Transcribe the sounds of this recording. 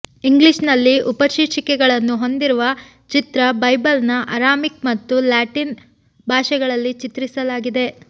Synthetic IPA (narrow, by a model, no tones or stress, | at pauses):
iŋɡliʃnɐlːiʔupɐʃiʈʂikɛɡɐɭɐnːuɦo̞nd̪iɾuʋɐ | t͡ʃit̪ɾɐbɐjbɐlnɐʔɐɾaːmik̚mɐt̪ːulaːʈin | bʱaːʃɛɡɐɭɐlːit͡ʃit̪ɾisɐlaːɡid̪e̞